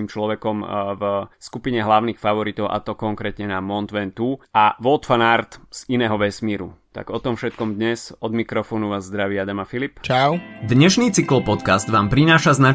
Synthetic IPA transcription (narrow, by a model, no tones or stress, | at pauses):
imt͡ʃlɔʋɛkɔmvskupiɲɛɦlaʊnixfaʋɔɾit̪ɔʊʔa̰t̪ɔkɔŋkɾɛːt̪ɲɛnamɔnt̪ʋɛnt̪uaʋɔlt̪fanaɾt̪z̥inɛːɦɔʋɛsmiːɾṵt̪a̰ɡɔt̪ɔmfʃɛt̪̚kɔmd̪ɲɛzɔd̪mikɾɔfɔːnuʋaːzːd̪ɾaʋiad̪amafilipt͡ʃaʊd̪ɲɛʃniːt͡sikl̩pɔt̪kazd̪ʋaːmpɾinaːʃazna